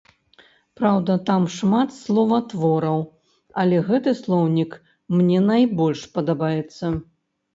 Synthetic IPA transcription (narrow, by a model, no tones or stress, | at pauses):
pɾawd̪ɐt̪amʂmat̪slˠɔvɐt̪vɔɾɐw | ɐlʲɛɣɛt̪ɨslˠɔwnʲik | mnʲɛnajbɔlʲʂpɐd̪abajɛt̪sːɐ